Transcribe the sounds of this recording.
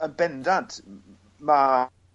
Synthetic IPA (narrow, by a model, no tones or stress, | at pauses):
əbɛndant | ma